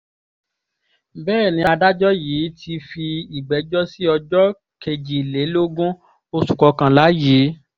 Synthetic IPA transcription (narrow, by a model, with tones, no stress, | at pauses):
bɛː˦˨nĩ˨˧˦a˧da˦d͡ʒɔ˦jiː˨˦tʰi˧fi˧i˨ɡ͡bɛ˨˦d͡ʒɔ˦si˦ɔ˧d͡ʒɔ˦ | ke˧˨d͡ʒi˨le˨˦lo˦ɡũ˦ | o˧su̥˨kɔ˧kã˨la˨˦ji˨˦